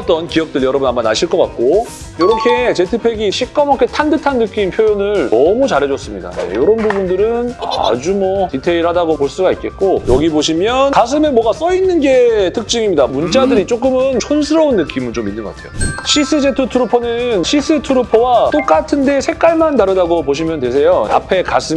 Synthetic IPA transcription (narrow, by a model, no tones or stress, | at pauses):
t͈ʌnkiʌk̚t͈ɯɭjʌɾʌbunamːanaɕʰiɭk͈ʌk͈at̚k͈o | jʌɾʌkʰe̞t͡ɕe̞tʰɯpʰe̞ɡiɕʰik͈ʌmʌkʰe̞tʰandɯtʰanːɯk͈impʰjojonɯɭnʌmut͡ɕaɾɦe̞d͡ʑʌs͈ɯmɲida̰nḛjʌɾʌnbubundɯɾɯna̰d͡ʑumwʌtitʰe̞iɭhadaɡopoɭs͈uɡait̚k͈e̞tt̚k͈ojʌɡiboɕʰimjʌnkas̬ʰɯmemwʌɡas͈ʌinːɯnɡe̞tʰɯk̚t͡ɕ͈ɯŋimɲidamunt͡ɕ͈adɯɾit͡ɕ͈ok̬͈ɯmɯnt͡ɕʰonsʰɯɾʌunːɯk͈imɯnt͡ɕominːɯnɡʌɡatʰejo̰ɕʰis͈ʰɯd͡ʑetʰutʰuɾupʰonɯnɕʰis͈ʰɯtʰuɾupʰowat͈ok͈atʰɯnde̞sʰe̞k͈aɭmantaɾɯdaɡopoɕ̬ʰimjʌndwe̞s̬ʰe̞joa̰pʰe̞kasʰɯm